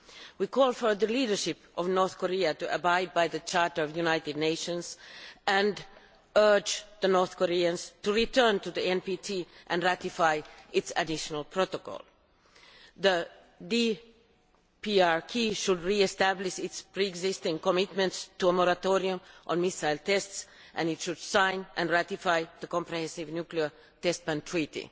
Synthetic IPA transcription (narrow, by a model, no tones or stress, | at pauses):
wikʰɔːlˠfə˞ðə˞liːdə˞ʃɪpʔɔvnɔɹθkɔɾiatuʔəbaɪd̚baɪðət͡ʃʰɑɹtə˞ɔvjunaɪtɪdⁿneɪʃə̃nsæ̃nd | ɜ˞d͡ʒðənɔɹθkɔɾiə̃nz̥tuɹitʰɜ˞ntuðiɛ̃npitʰiʔɨ̃ndɹæt̪ɪfaɪɪtsɨdɪʃənəlˠpʰɹotokɔ̰lˠ | ðə | di | piɑɹkʰiʃudɹiɛst̪æblɪʃɪtspɹiɛɡzɪst̪ɪ̃ŋkɔmɪt̪mə̃ntstuəmɔɾat̪oɾiʊ̃mʔə̰̃nmisaɪlt̪ʰɛstsʔɨ̃nɪtʃud̥sãɪ̃nʔæ̃nɹætifaɪðəkɔ̃mpɹɔhɛ̃nsɪvnjukliə˞ | t̪ɛst̚bæ̃ntʰɹ̥itḭ